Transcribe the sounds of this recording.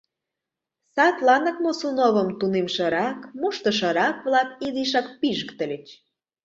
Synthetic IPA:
sɑt̪lɑnə̆k̚mosunoβəmt̪unemʃɤ̆ɾɑkmuʃt̪ə̆ʃ̬ɤ̆ɾɑkβlɑk̚iziʃ̬ɑk̚piʒəkt̪ə̆lʲĕt͡ɕ

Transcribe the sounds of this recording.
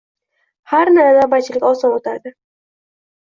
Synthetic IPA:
haɾnaɾazabat͡ʃʰɪlɪkʲɒsɒnot̪ʰaɾd̪ɪ

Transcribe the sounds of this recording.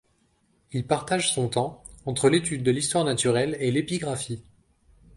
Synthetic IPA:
ilpaʁt̪aʒsɔ̃t̪ɑ̃ɑ̃t̪χəlet̪yd̪ːəlist̪waʁnat̪yʁɛlelepiɡʁafi

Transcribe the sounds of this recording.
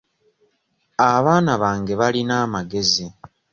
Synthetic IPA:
aβaːnaβaːŋɡe̞βalinaːmaɡe̞zi

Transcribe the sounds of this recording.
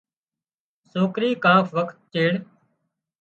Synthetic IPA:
soːkɾiːkãːfʰʋəkʰt̪̚t͡ʃeːɽ

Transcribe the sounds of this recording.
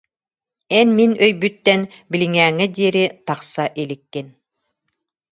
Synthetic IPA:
ɛnminœjbyt̪ːɛn | biliŋæːŋɛd̪iːɾit̪ɑqsaʔilikːin

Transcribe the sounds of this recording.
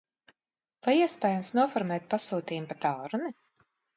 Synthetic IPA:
vajiɛspɛːjamsnuɔfɔɾmɛːt̪̚pasuːt̪iːmpat̪aːɾuni

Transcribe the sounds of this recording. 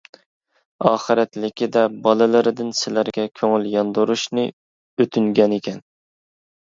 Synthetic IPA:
ɑːχɨɾɛt̪lɪkʲid̪ɛbɑlˠɨlˠɨɾɪd̪ɪnsɪlæɾɡʲɛkʲʰøŋɪljɑnd̪uɾuʃnɨ | øt̪ʰyŋɡʲɛnekʲʰɛn

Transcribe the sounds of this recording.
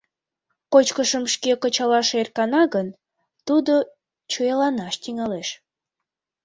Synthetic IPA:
kot͡ɕkəʃəmʃkekət͡ɕɑlɑʃerkɑnɑɣən | t̪ud̪o | t͡ɕuɑlɑnɑʃt̪iŋɑleʃ

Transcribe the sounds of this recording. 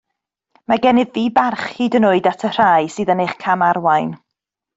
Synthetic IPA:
maɡɛnɨðːiːbarχhiːdənʊɨdatʰər̥ajsɨːðəneχkʰamarwajn

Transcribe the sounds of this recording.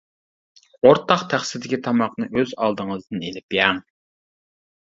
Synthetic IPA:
oɾt̪ʰɑqt̪ʰæχsɪd̪ɪkʲit̪ʰɑmɑqnɨʔøzɑlˠd̪ɨŋəzd̪ɨnelɪpjɛŋ

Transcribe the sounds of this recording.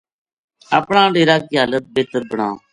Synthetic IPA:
a̰ːpɳãːɖeːɾaːkiːɦaːlət̪̚beːt̪əɾbəɳã̰ː

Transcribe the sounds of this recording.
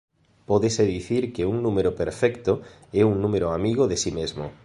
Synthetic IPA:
poðeseðiθiɾkeuŋnumeɾopeɾfɛkt̪o | ɛuŋnũmeɾoamiɣoðesimezmo̰

